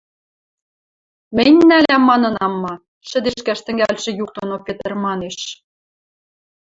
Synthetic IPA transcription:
mɘnʲnælʲæmːɑnɤ̆nɑmːɑ | ʃɘ̆d̪eʃkæʃt̪ɘ̆ŋɡælʲʃĕjuk̚t̪onopet̪ɘ̆rmɑneʃ

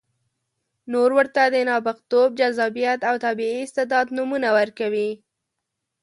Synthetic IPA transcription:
noɾwəɾt̪ad̪ənɑbɪqt̪ob̚d͡ʒazɑbijat̪awt̪abiiɪst̪ɪd̪ɑd̪numunawəɾkawi

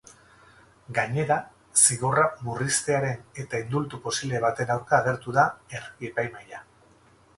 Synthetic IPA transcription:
ɡaɲe̞ɾa | siɣo̞ramurist̪e̞aɾe̞ne̞t̪aind̪ult̪upo̞siβle̞β̞at̪e̞nawɾkaːɣ̞e̞ɾt̪uðae̞rɣiepajmaja

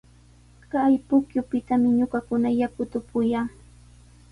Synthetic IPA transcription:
kajpʊkjʊpɪt̪amɪɲʊkakʊnajakʊt̪ʊpʊjaŋ

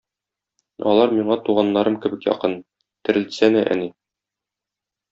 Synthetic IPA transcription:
ɒ̰lˠɑɾmiɴɑt̪uʁɑnːɑɾɤmkɘ̆bɘkjɒ̰qɤn | t̪ɘ̆ɾɘ̆lsænɘʔæ̰ni

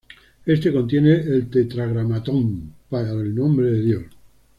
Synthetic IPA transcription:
est̪eko̞nt̪jeneelt̪et̪ɾaɣɾamat̪ompaɾaelnõmbɾeðeðjos

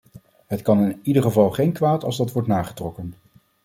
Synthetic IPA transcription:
ɦətkɑnɪnidəɹχəvɑlˠχejnkʋaːtɑlˠzdɑtʋɔɹtnaːχə̥trɔkən

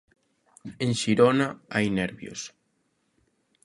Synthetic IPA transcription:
eŋʃiɾonaajnɛɾβjo̰s

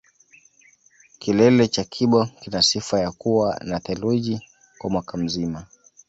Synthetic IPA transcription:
kilɛlɛt͡ʃakʰiɓɔkinasifajakuwanaθɛluʄi | kwamwakam̩zima

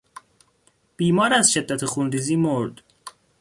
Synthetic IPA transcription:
b̥iːmɒːɾæzʃe̞d̪ːæt̪ʰexunɾiːziːmoɾd̪

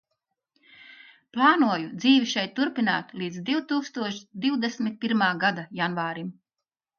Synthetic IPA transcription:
plˠaːnuɔjud̪ziːviʃɛjt̪ːuɾpina̰ːt̪lˠiːd̪zd̪iwt̪uːkst̪uɔʃd̪iwd̪esmʲit̪̚piɾmaːɡad̪ajanvaːɾim

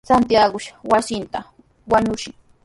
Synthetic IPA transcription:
t͡sant̪jaɢʊʃawasɪnt̪a | waɲʊʃɪŋ

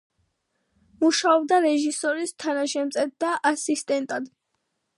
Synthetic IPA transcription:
muʃaɔb̚d̪aɾɛʒisɔɾist̪ʰanaʃɛmt̪sʼɛt̪̚d̪aʔasist̪ʼɛnt̪ʼad̪

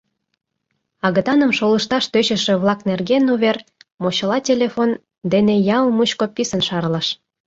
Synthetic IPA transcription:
ɑɣət̪ɑnə̆mʃoləʃt̪ɑʃt̪øɕə̆ʃĕβlˠɑknerɡenuβermoɕə̆lɑtʲelʲefon | d̪enejɑlmuɕkopʲːisə̆nʃɑrləʃ

